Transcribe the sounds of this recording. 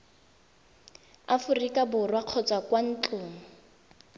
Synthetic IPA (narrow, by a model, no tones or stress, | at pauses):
afʊrikabʊrwaq͡χʰɔt͡sʼwakwan̩t͡ɬʊːŋʊ